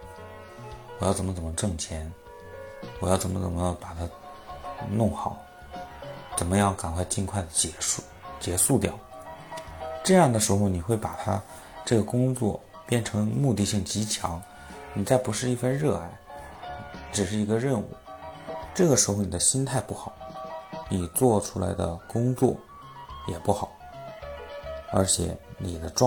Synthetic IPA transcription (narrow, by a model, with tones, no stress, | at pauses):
wɔ˨˩jɑ˥˩ʊt͡sə˨˩mə˦t͡sə˨˩mə˦ʈ͡ʂɤ˥˩ŋt͡ɕʰjɛ˧˥n | wɔ˨˩jɑ˥˩ʊt͡sə˨˩mə̰˦t͡sə˨˩nmə˦jɑ˥˩ŋpa˨˩t̪ʰa˥ | nʊ˥˩ŋxɑ˨˩˦ʊ | t͡sə˨˩nmə˦jɑ˥˩ŋka˨˩nkʰwa˥˧ɪt͡ɕi˥˧nkʰwa˥˩ɪd̪ə˩t͡ɕt͡ɕjɛ˧˥ʂu˥˧t̪jɑ˨˩ʊ | ʈ͡ʂɤ˥˧jɑ˥˩ŋd̪ə˩ʂɻ̩˧˥xo˧ʊni˨˩xwe˥˩ɪpa˨˩t̪ʰa̰˥ | ʈ͡ʂɤ˥˩ɡə˩kʊ˥ŋt͡swɔ̰˥˩ | pjɛ˥˩nʈ͡ʂʰɤ˧˥ŋmu˥˧t̪i˥˧ɕi˥˩ŋt͡ɕi˧˥t͡ɕʰjɑ̰˧˥ŋ | ni˨˩t͡sa˥˩ɪpu˧˥ʂɻ̩˥˧i˥˧fə˥˧nɻɤ˥˧a˥˩ɪ | ʈ͡ʂɻ̩˨˩ʂɻ̩˥˩i˧˥ɡə˧ɻə˥˧nṵ˥˩ʈ͡ʂɤ˥˩ɡə˩ʂɻ̩˧˥xo˧˩ni˨˩d̪ə˦ɕi˥nt̪ʰa˥˧ɪpu˥˩xɑ˨˩˦ʊni˨˩t͡swɔ˥˩ʈ͡ʂʰu˥la̰˧˥ɪd̪ə̰˧kʊ˥ŋt͡swɔ˥˩ | jɛ˨˩pu˥˩xɑ˨˩˦ʊ | ə̰˞˧˥t͡ɕʰjɛ̰˧˩˦ni˨˩d̪ə˦ʈ͡ʂw